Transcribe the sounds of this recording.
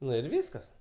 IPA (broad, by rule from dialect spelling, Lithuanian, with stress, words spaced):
ˈnʊ ɪr ˈʋʲiːskɐs